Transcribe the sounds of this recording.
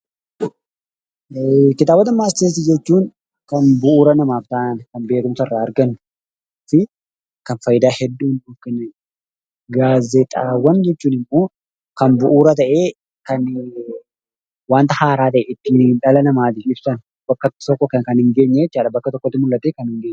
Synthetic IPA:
kɪt̪aːbɐt̪ɐmaːst̪et̪̬id͡ʒɛt͡ʃːuːŋ | kɐnbʊʔuːɾɐnɐmaːft̪aːnkɐnbe̞ːkʊmsɐɪrːaːɐɾɡɐnːʊ̥ | fɪ | kɐnfɐjɪd̪aːhɛd̪ːuːnufkɐn | ɡaːzɛt̪ʼaːwːɐnd͡ʒɛt͡ʃːuːnɪmːoː | kɐnbʊʔuːɾɐt̪ɐʔe̞ː | kɐn | waːnt̪ɐhaːɾaːt̪̬ɐʔɛɪt̪ːiːnᶑɐlɐnɐmaːt̪̬ɪfɪb̥sɐn | bɐkːɐt̪ɔkːɔkɐkɐnhɪŋɡe̞ːɲːɛt͡ʃːaːᶑɐbɐkːɐt̪ɔkːɔt̪ːɪmʊlːɐt̪eːkɐnhɪŋɡeːɲː

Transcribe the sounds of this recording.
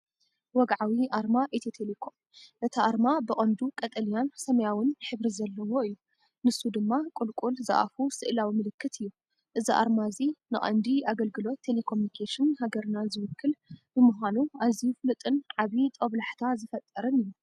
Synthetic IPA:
wɔɡʕawiʔaɾmaʔet̪ʰet̪ʰelekʰo | ʔɨt̪ʰaʔaɾmabɨχʼɐnd̪ukʼɐt̪ʼɐlijansɐmɐjawɨnħɨβɾizɐlːɐwo̞ɨjːu | mɨsːud̪ɨmːakʼʊlkʼulzɐ̰ʔa̰fusɨʔlawimɨlɨkʰːɨt̪ʰɨjːu | ʔɨziʔa̰ɾmazinɨχʼɐ̰nd̪iaɡɐlɡɨlo̞t̪ʰːe̞lekʰomunikʰeʃɨnhaɡɐɾnazɨwʊkːɨlbɨmuɦʷanuazijuflɨt̪ʼɨnʕaβit̪ʼoβlaħt̪ʰazɨfɐt̪ʼːɐɾɨnɨju

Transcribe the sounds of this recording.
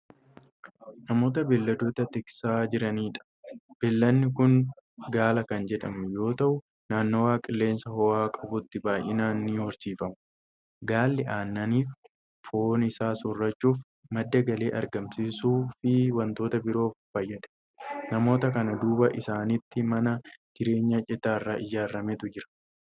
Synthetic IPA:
nɐmo̞ːt̪̬ɐbɛlːɐd̪uːt̪ɐt̪ɪksaːd͡ʒɪɾɐniːᶑɐ̥ | b̥ɛlːɐnːɪkʊnɡaːlɐkɐnd͡ʒɛᶑɐ̰mʊjo̞ːt̪ɐʔʊ | naːnːo̞ːwaːkʼɪlːe̞ːnsɐhɔwaːkʼɐbʊt̪ːɪbaːjʔɪnaːnːiːhɔɾsiːfɐmʊ | ɡaːlːɪʔaːnːɐniːf | fo̞ːnɪsaːsʊrːɐt͡ʃːuːf | mɐd̪ːɐɡɐle̞ːʔɐ̰ɾɡɐmsiːsuːfɪwɐnt̪o̞ːt̪ɐbɪɾo̞ːffɐjːɐᶑɛ̥ | nɐmo̞ːt̪ɐkɐnɐd̪uːbɐʔɪsaːnɪt̪ːɪmɐnɐd͡ʒɪɾe̞ːɲːɐt͡ʃʼɛt̪aːrːaːʔɪjaːrːɐmɛt̪ʊd͡ʒɪɾɐ̥

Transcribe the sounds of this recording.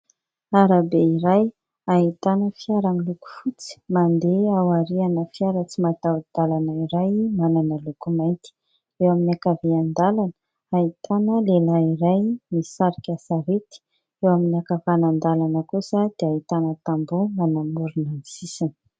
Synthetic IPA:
aɾabeiɾaj | aɦit̪anəfiaɾamiluku̥fut͡si̥mand̪eawaɾianəfiaɾət͡simat̪awd̪̥alanəiɾajmananəlukumajnt̪i̥ | ewaminiakaveand̪alanə | ait̪anəlelaiɾajmisaɾikʲasaɾet̪i̥ | ewaminiakəfanand̪alanəkusəd̪̥eait̪anət̪ambomanamuɾunanisisin

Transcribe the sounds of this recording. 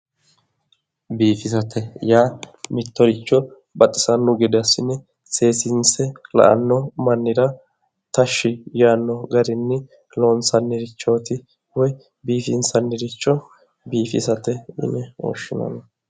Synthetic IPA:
biːfɪsɐt̪ʰɛjaːmɪt̪ːɔɾɪt͡ʃːɔ | bɐt̪ʼːɪ̥sɐnːʊɡɪd̪ɛɐsɪnːɛ | se̞ːsɪnsɛlɐ̰ʔɐ̰nːɔmɐnːɪɾɐ | t̪ɐʃːɪjaːnːɔɡɐɾɪnːɛ | loːnsɐnːɪɾɪt͡ʃːo̞ːt̪ɪ | wɔj | biːfɪnsɐnːɪɾɪt͡ʃːɔ | biːfɪsɐt̪ɛɪ̰nɛo̰ːʃːɪnɐ̰nɐ

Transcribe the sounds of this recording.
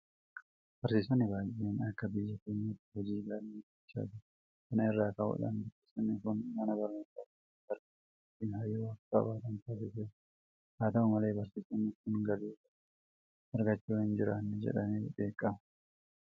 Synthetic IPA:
b̥ɐɾsiːsɐnːɪbaːjenɐkːɐbɪjːɐkeːɲːɐt̪ːɪhɔd͡ʒiːɡalniː | sa̰ːd̪ɪ | kɐnɐɪrːaːkɐhʊ̰ᶑɐ̰nbɪɪsɐnːɪkʊnmɐnɐbɐɾnosaːtɪ | ɐɾɡɐ | ɪt̪ːinhɐjːoːɐkːɐ̰baːt̪ɐnt̪aːs̬ɪse | haːt̪ɐʊmɐle̞ːbɐɾsiːsɐnːɪkʊnɡɐɾeːsɐ | ɐɾɡɐt͡ʃːuːhɪnd͡ʒɪɾaːnːɛd͡ʒɛ̰ᶑɐnebe̞ːkʼːɐmɐ

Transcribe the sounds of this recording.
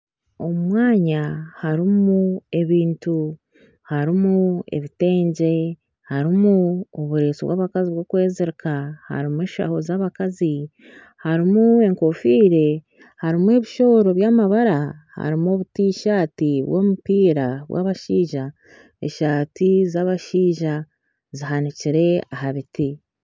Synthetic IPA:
o̞mwaːɲahaɾimue̞βiːntu | haɾimue̞̰βite̞ːɲɟe̞ | haɾimuoβuɾe̞ːsiβwa̰ːβakaziβwoːkwe̞ːziɾikaha̰ɾimuweːʃa̰ho̞zaːβakazi | haɾimue̞ŋko̞fiːɾe̞ | haɾimue̞βiʃo̞ɾo̞βjaːmaβaɾaha̰ɾimo̞βutiːʃaːtiβwo̞̰mupiːɾaβwa̰ːβaʃiːʒa | ḛʃaːtizaːβaʃiːʒa | ziɦaniciɾe̞aɦaβiti

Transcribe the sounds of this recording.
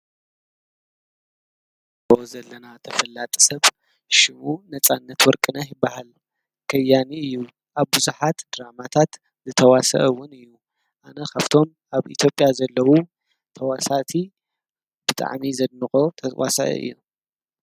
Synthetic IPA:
bozɐlːɐnat̪ʰɐfɐlːat̪ʼi̥sɐβ | ʃɪmunɐt͡sʼanːɐt̪wɔɾkʼɨnɐħbahal | kʰɐjːaniɨjːu | ʔaβbɨzuħat̪d̪̥ɨɾamat̪ʰat̪ | zɨt̪ʰɐwasɐ̰ʔɐwːʊnɨjːu | ʔanɐkʰaβt̪ʰo̞m | ʔaβḭt̪ʰjo̞pʼjazɐlːɐwu | t̪ʰɐwasat̪ʰi | b̥ɨt̪ʼa̰ʕmizɐd̪̚nɨkʼot̪ʰɐwa̰sɐ̰ʔɐ̰ʔɨ̰jːu

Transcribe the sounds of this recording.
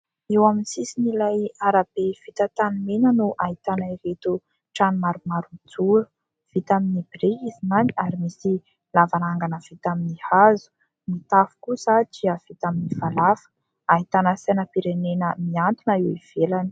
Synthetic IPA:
ewaminsisinilajaɾab̥ev̥it̪ət̪animenənuʔait̪anəivet̪u | ʈ͡ʂanumaɾumaɾunid͡zuɾu | v̥it̪aminibiɾeizimaniaɾimisi | lavanaŋɡanəv̥it̪aminihazu̥ | mit̪afu̥kusad͡ʒiəv̥it̪aminivalafə̥ | ait̪anəsanəpiɾenenəmiant̪unəiwiv̥elani̥

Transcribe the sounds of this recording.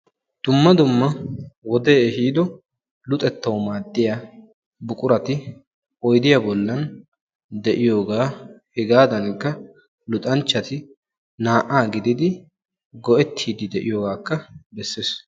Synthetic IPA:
d̪̥ʊmːɐd̪ʊmːɐwɔd̪eːɛhiːd̪ɔ | lʊt̪ʼɛt̪ːɐwmaːd̪ːɪja | bʊkʼʊɾɐt̪ɪ | ɔjd̪ɪjabɔlːɐn | d̪ɛʔɪjo̞ːɡaːhɛɡaːd̪ɐnkːɐ | lʊt̪ʼɐnt͡ʃːɐt̪ɪ | naːʔaːɡɪd̪ɪd̪ɪ | ɡɔʔɛt̪ʰːiːd̪ɪd̪ɛʔɪ̰joːɡaːkːɐbɛsːeːs

